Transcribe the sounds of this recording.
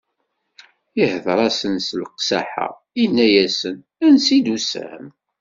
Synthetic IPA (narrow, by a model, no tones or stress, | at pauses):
ihðɾˤɑsənslqsæ̰ħa̰ | inːæjæsən | ænsid̪usæ̰m